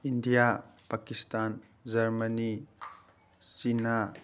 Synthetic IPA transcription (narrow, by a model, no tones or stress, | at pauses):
indijapakistan | d͡ʒɐɾmɐni | t͡ʃina